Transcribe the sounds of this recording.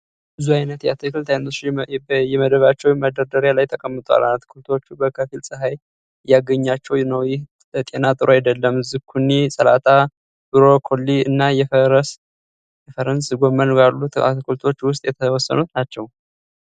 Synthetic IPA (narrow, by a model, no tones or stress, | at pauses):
bɨzuajnət̪ja̰t̪ʰɨkɨlt̪ʰajno | jɛməd̪əβat͡ʃːɛwməd̪əɾd̪əɾjalajt̪ʰəkʼəmːɨt̪ʼa̰lat̪ʰɨ̥kʰult̪ʰo̞t͡ʃːubəkʰəfilsʼɨɦaj | jaɡəɲːat͡ʃːɛwnəwjɪh | t̪ʼe̞nat̪ʼɨɾʔoajd̪əlːəmːɨzɨɡkʰunːisʼəlat̪ʰa | b̥ɨɾo̞kʰo̞lːiɨnːajɛfɾəs | jɛfəɾənsɡo̞mːənbalːut̪a̰t̪ɨkʰult̪ʰo̞t͡ʃːwʊst̪ʼjɛt̪ʰəwɔsːə̰nut̪nat͡ʃːɛw